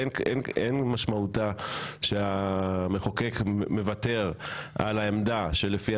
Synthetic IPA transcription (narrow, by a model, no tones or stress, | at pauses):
nenenmaʃmautaʃeameχokekme̞vate̞ʁʔa̰laemdaʃe̞lefi